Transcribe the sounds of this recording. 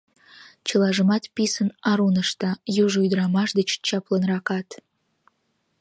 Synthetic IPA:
t͡ʃəlɑʒə̆mɑt̪pisənɑɾunəʃt̪ɑjuʒujd̪ɾɑmɑʃd̪ət͡ɕt͡ɕɑplənrɑkɑt̪

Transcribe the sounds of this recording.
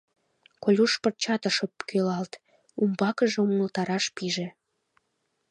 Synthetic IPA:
kolʲuʃpərt͡ɕɑt̪əʃəpkʰølɑlt̪ | umbɑkəʒeuŋəlt̪ɑɾɑʃpiʒĕ

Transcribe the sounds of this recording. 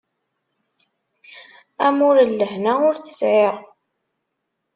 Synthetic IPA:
æmʊɾəlːəhnæʊɾθə̥sʕeʁ

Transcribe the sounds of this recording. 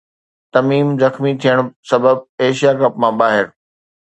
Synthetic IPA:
t̪ɐmiːmzɐxmit̪ʰijəɽ̃sɐbəb̚eːʃijaɡɾɐpmãɓaːɦɪɾ

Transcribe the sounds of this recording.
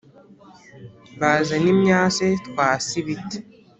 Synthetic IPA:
βaːzanimɲaːt͡setwaːsiβiti̥

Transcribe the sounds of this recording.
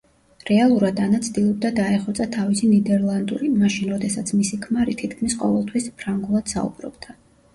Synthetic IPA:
ɾɛalˠuɾad̪anat̪sʰd̪ilˠɔb̚d̪ad̪aɛχɔt̪sʼat̪ʰavisinid̪ɛɾlˠand̪ṵɾimaʃinɾɔd̪ɛsat̪sʰmisikʰmaɾit̪ʰit̪ʰkʰmisqʼɔvɛlˠt̪ʰwispʰɾaŋɡulˠad̪̥sa̰ṵbɾɔ̰bd̪̥a

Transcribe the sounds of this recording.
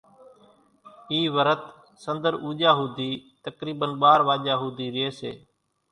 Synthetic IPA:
iːʋəɾət̪ | sənd̪əɾuːʄaːɦuːd̪ʱiːt̪əkɾiːɓənɓaːɾʋaːʄaːɦuːd̪ʱiːɾɪeːsḛː

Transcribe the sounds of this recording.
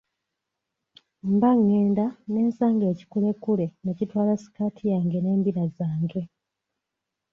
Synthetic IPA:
mbaŋːeːndane̞ːnsaːŋɡe̞ːci̥kule̞kːule̞necitwaːlasi̥kaːtʰijaːŋɡe̞ne̞ːmbiɾazaːŋɡe̞

